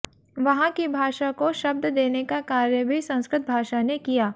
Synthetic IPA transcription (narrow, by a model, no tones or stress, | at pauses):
ʋɐɦãkibʱaːʃakoʃɐb̚d̪d̪eːnekakaːɾjəbʱisɐ̃nskɾɪt̪̚bʱaːʃanekijaː